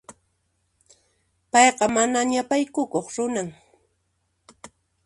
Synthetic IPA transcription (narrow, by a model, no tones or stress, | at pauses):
pɑjqɑmanaɲapajkʊkoχɾʊnaŋ